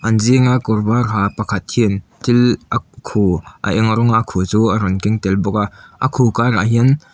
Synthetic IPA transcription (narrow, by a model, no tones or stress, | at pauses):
ʔɐnziŋakɔrbarɦaːpɐkʰɐt̪̚hint̪ilʔakʰuʔɐ̰ʔɛŋɾɔŋakʰut͡suːaɾɔnkɪŋt̪ɛlbɔk̚aʔʔakʰukaraɦiən